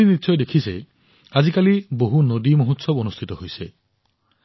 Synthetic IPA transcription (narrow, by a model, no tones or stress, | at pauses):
initʃʰɔjd̪ekʰisḛ | ad͡ʒikaliboɦunod̪imɔɦut̪sɔbonust̪ʰit̪ɔɦojse